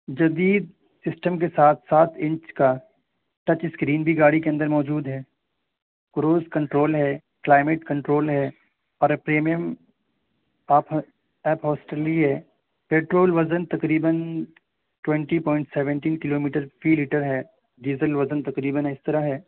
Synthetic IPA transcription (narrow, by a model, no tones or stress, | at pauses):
d͡ʒɐd̪iːd̪̚ | sɪsʈəmk̬esaːt̪ʰsaːt̪ʰɪ̃ɲt͡ʃka | ʈɐt͡ʃɪskɾiːnbʱiɡaːɽikeɐ̃nd̪əɾmɔːd͡ʒuːd̪ɦɛː | kɾoːzkɐ̃ɳʈɾoːlɦɛː | klaːɪmeːʈkɐ̃ɳʈɾoːlɦɛː | ɔːɾpɾeːmijəm | aːp | ɛːpɦɔːsʈeliɦɛː | peːʈɾoːlʋɐzənt̪ɐkɾiːbən | ʈwɛ̃ɳʈipɔ̃ːɪ̃ɳʈsɛːʋə̃ɳʈiːnkɪloːmiːʈəɾfʰiːliːʈəɾɦɛː | ɖiːzəlʋɐzənt̪ɐkɾiːbənɛɪst̪ɐɾaɦɛː